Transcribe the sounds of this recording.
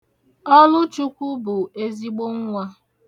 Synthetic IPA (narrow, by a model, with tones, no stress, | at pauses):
ɔ˦lʊ˦t͡ʃu˦kʷu˦bʊ˨e˦zi˦ɡ͡bo˦ŋ̩˦ŋʷa˦